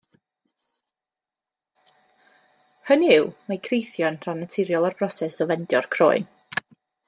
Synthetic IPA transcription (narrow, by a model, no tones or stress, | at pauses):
hənɪwmakʰrejθjɔnr̥anətʰɪɾjɔlˠarb̥rɔsɛsɔvɛndjɔrkʰro̰ːɨn